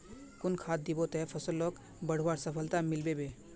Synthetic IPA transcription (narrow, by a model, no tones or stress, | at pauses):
kunkʰat̪̚d̪ibot̪ɛpʰəsəlːɔk | bəɽ̤ʋaɾsəpʰəlt̪amilbebe